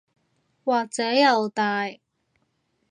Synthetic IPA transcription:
waː˨˩t͡sœː˨˥jɐ˨˧wt̪aː˨˩j

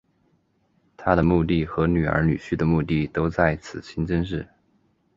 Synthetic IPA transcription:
t̪ʰa˥d̪ə˨mu˥˧t̪i˥˩xɤ˧˥ny˨˩ə̰˞˧˥ny̰˨˩ɕy˥˩d̪ə˩mu˥˧t̪i˥˩t̪o˥ʊt͡sa˥˩ɪt͡sʰɹ̩˨˩ɕʰi˥ŋʈ͡ʂə˥ŋʂɻ̩˥˩

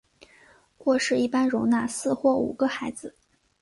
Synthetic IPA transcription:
kwɔ˥˧ʂɻ̩˥˧i˥˩pa˥nɻʊ˧˥ŋna˥˧sɹ̩˥˧xwɔ˥˩ṵ˨˩ɡə˦xa˧˥ɪd͡zɹ̩˧

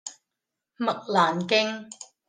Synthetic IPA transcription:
mɐ˨k̚laː˨˩nkɪ˥ŋ

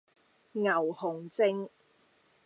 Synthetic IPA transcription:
ŋɐ˨˩whʊ˨˩ŋt͡sɪ˥ŋ

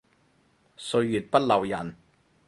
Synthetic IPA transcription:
sɵ˧ɥːyː˨˩t̚pɐ˥t̚lɐ˨˩wjɐ˨˩n

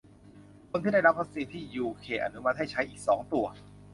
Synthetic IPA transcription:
kʰo˧nt̪iː˥˩da˥˩jɾa˦˥p̚ʰa˦˥k̚siː˧t̪ʰiː˥˩juː˧kʰeː˧ʔa̰˧nu˦˥ma˧˥t̪̚ha˥˩jt͡ɕʰa˦˥jʔiː˨˩k̚sɔː˩˦ŋt̪u˧ɐ

